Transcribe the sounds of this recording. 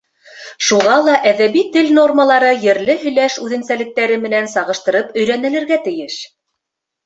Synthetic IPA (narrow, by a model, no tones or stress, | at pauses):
ʃuʁɑlˠɑʔæðæβit̪ɘlno̞rməlˠɑɾɤjɘ̆ɾlɘɦɵ̆jlæʃʉðɘ̆nsælɘ̆k̚t̪æɾɘmɘ̆nænsɑʁɤ̆ʃt̪ɤ̆ɾɤpɵ̆jɾænɘ̆lɘ̆ɾɡæt̪ɘ̆jɘʃ